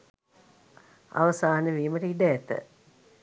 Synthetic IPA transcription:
a̰ʋəsaːnəʋiːməʈəiɖəæt̪ə̰

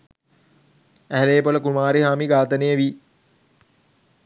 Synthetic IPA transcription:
æɦæleːpoləkumaːɾiɦaːmiɡaːt̪ənejəʋi

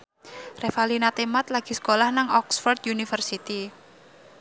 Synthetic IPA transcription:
refalinat̪emat̪laɡ̥i̤sə̥kolahnaŋɔksfɔrd̪junifərsit̪i

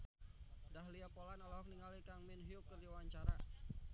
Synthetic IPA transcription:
daɦliapolanalaɦɔk̚niŋalikaŋmɪnɦiukːərdawaɲt͡ʃaɾa

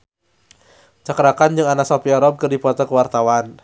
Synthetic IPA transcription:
t͡ʃakəɾakand͡ʒɨŋanaʔsɔpiaɾɔb̚kərdipɔt̪ɔkəwart̪awan

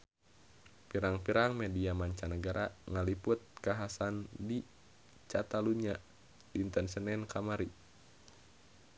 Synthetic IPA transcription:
piɾaŋpiɾaŋmediamaɲt͡ʃanəɡaɾaŋalipʊt̪̚kaɦasandi | t͡ʃat̪aluɲa | diːnt̪ɛnsənɛnkamaɾi

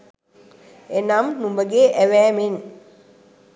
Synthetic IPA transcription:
enamnumbəɡeːʔæʋæːmen

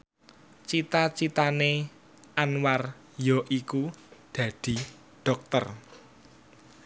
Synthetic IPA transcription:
t͡ʃit̪at͡ʃit̪ane | ʔanwar | jɔʔikud̪̥ä̤d̪̥i̤ | ɖ̥ɔk̚t̪ər

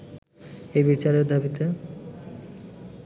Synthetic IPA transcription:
ejbit͡ɕaɾeɾd̪ʱabit̪e

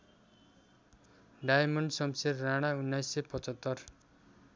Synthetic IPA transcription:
ɖajmʌɳɖsʌmserːaɽ̃aunːajsːepʌt͡sʌt̪ːʌr

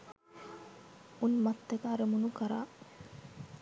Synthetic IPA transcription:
unmɐt̪ːekaːɾemunukɐɾa̰ː

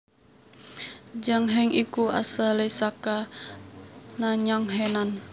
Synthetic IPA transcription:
d͡ʒaŋɦɛŋikua̰salesaka | naɲaŋɦɛnan

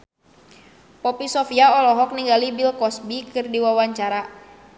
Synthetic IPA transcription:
pɔpisɔfiaɔlɔɦɔk̚niŋɡalibilkɔsbikɨrdiwawaɲt͡ʃaɾa

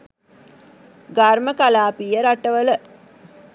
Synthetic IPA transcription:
ɡarməkalaːpijəɾaʈəʋələ

